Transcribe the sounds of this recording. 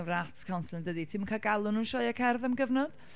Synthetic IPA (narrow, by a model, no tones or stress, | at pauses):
wratʰkʰawnslˠɪndəditʰɪmkʰaɡalˠʊnunʃɔjakʰɛrðamɡəvnɔd̥